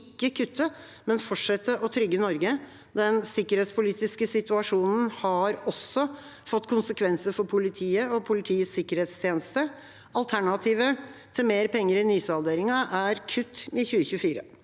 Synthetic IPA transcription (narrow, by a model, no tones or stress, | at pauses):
ɪkːəkʰʉt̪ʰːə | mɛnfɔʈʂɛt̪ːəʔɔt̪ʰɾʏɡːənɔɾɡə | d̪ɛnsɪkəɾheːt̪spʰʊliːt̪ɪskəsɪt̪ʉɑʂuːnn̩hɑɾɔsːɔ | fɔt̪ːkʰʊnsəkʰʋɛnsəɾfɔɾpʰʊlɪt̪ʰiːəɔpʰʊlɪt̪ʰiːəsɪkəɾheːt̪st̪ʰjeːnəst̪ə | ɑlt̪ʰæɳɑt̪ʰiːʋət̪ʰɪlmeːɾpɛŋːəɾɪnyːsɑld̪eːɾɪŋɑʔæɾkʰʉt̪ːɪçʉːəçʉfiːɾə̰